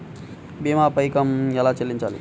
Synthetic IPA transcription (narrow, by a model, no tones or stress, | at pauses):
biːmaːpɐjkɐmɛlaːt͡ʃelːiɲt͡ʃa̰ːlḭ